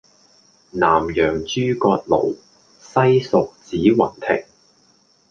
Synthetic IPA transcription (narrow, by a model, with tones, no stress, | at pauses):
naː˨˩mjœː˨˩ŋt͡ʃyː˥kɔː˧t̚lo̰˨˩w | sɐ˥jsʊ˨k̚t͡siː˨˥wɐ˨˩nt̪ʰɪ̰˨˩k̚